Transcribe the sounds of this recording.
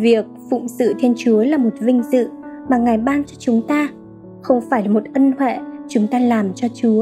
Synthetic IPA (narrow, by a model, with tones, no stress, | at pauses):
vi˨˩ək̚fʊ̰˧˨ŋ͡msɨ̰˧˨t̪ʰe˧nt͡ɕu˨˦əlaː˨˩mo˨˩t̚vï˧ŋ̟zɨ̰˧˨maː˨˩ŋa˨˩jɓaː˧nt͡ɕɔ˧t͡ɕʊ˨˦ŋ͡mt̪aː˧ | xə˧wŋ͡mfaː˧˩jlaː˨˩mo˨˩t̚ʔə˧nhwḛ˧˨t͡ɕʊ˨˦ŋ͡mt̪aː˧laː˨˩mt͡ɕɔ˧t͡ɕu˨˦ə